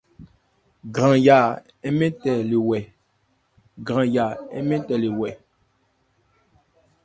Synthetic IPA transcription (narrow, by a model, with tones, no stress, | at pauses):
ɡɾã˨ja˨ | ɛ˦mɛ̃˦tɛ˨le˨wɛ˨ | ɡɾã˨ja˨ɛ˦mɛ̃˦tɛ˨le˨wɛ˨